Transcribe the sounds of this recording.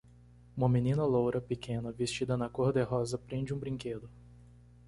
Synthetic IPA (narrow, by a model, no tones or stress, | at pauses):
ũmɐminĩnɐlowɾɐpekẽnɐvest͡ʃid̪ɐnɐkoɾd̪eɦɔzɐpɾẽnd͡ʒɪũbɾĩŋked̪ʊ